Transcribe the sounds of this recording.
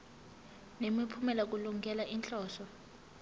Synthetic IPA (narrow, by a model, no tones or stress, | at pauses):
nemipʰumɛlak̬uluŋɡʱɛlaʔint͡ɬʼɔːsɔ